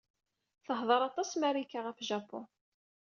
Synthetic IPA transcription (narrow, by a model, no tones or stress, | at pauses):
θəhðˤəɾˤɑt̪ˤɑsmæɾikːaʁəfʒɑpːʊ̰n